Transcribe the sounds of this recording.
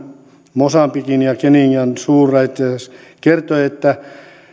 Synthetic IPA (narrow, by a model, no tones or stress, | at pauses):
mosɑmpikinjɑkeniŋːænsuːrɑit̪ːes | kert̪oiet̪ːæ